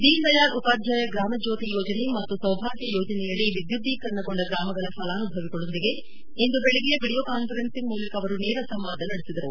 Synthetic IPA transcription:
d̪iːlt̪ɐjaːɾupaːd̪ʱjaːjɐɡɾaːmɐd͡ʒoːt̪ijɔːd͡ʒɐne̞mɐt̪ːusɐwbʱaːɡjɐjɔːd͡ʒɐnɛjɐɭːiʋid̪jud̪ʱːikɐɾnɐɡoɳɖɐɡɾaːmɐɡɐɭɐfɐlaːnubʱɐʋiɡɐɭond̪iɡe̞ | ind̪ubeɭeɡijɐbiɽijoːkaːnfɐɾensiŋmuːlɐkɐʋɐɾunɛːɾɐsɐmʋaːd̪ʱɐnɐɽesid̪ɐɾu

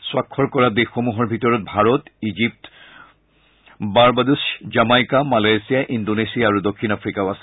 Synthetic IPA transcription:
swakʰːɔɹkɔɹadexomuɦɔɹbʱitɔɹɔt̚bʱaɹɔtizip̚t | baɹbaduszamajkamalajsijaʔindonesijaːɹudokʰːinafʰɹikaʊasɛ

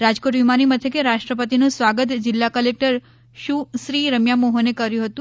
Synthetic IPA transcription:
ɾad͡ʒkoʈʋimanimət̪ʰjəkeɾaʃʈɾəpət̪inũsʋaɡət̪d͡ʒɪlːakəlek̚ʈəɾ | ʃũsɾiɾəmjamoɦonekəɾjũɦət̪ũ

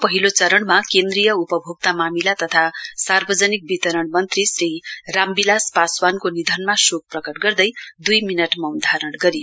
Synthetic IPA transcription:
pʌɦilot͡sʌɾʌɳmakend̪rijʌupʌbʱub̚t̪amamilat̪ʌt̪ʰasarbʌd͡zʌnik̚bit̪ʌɾʌɳmʌnt̪risrirambilaspaswankonid̪ʱʌnmasok̚prʌkʌʈɡʌrd̪ʌjd̪ujminʌʈmʌwnd̪ʱaɾʌɽɡʌɾi

